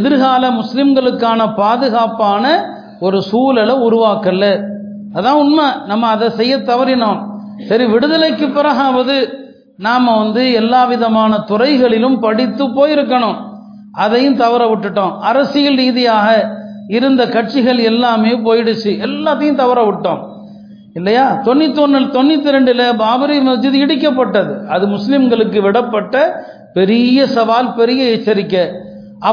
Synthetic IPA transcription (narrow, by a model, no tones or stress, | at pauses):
ɛðɪɾɣaːlɐmʊslɪmɡɐɭɯkːaːnɐpaːðɯɣaːpaːnɐ | ɔɾɯsuːlɛlɐʊɾʊʋaːkɐlːɐ | ɐðãːʊnmɐnɐmːɐːðɐsɛjːɐt̪ːɐʋɐɾɪnoːmsɐɾiʋɪɽɯðɐlɐɪkːɯpːɐɾɐɣaːʋɐðɯ | naːmɐʋɐnd̪ɯɛlːaːʋɪðɐmaːnɐt̪ʊrɐɪɣɐɭɪlɯmpɐɽɪt̪ːɯpːoːjɪɾɯkːɐɳʊ̃ | ʔɐðɐjɯ̃mt̪ɐʋɐɾɐʋɪʈːɯʈːõːʔɐɾɐsɪjɐlɾiːðɪjaːɣɐɪɾɯnd̪ɐkɐʈ̚t͡ʃɪɣɐɭɛlːaːmeːp̬oːjɪɽɯt͡ʃːɯʔɛlːat̪ːɐjɯ̃mt̪ɐʋɐɾɐʋɪʈːõ̰ː | ɪlːɐjaːt̪ɔnːɪt̪ːɔnːɯt̪ɔnːɪt̪ːɪɾɛɳɖɪlɐbaːbɐɾɪmɐt͡ʃːɯðɯɪɽɪk̬ːɐpːɐʈːɐðɯɐðɯmʊslɪmɡɐɭɯkːɯʋɪɽɐpːɐʈːɐ | pɛɾɪjɐsɐʋaːlpɛɾɪjɐɛt͡ʃːɐɾɪkːɐ | ʔɐ